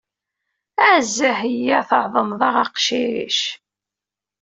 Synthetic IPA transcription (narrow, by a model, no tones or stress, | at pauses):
æzːæhəjːæθəʕðˤəmðˤɑʁɑqʃiɾḭʃ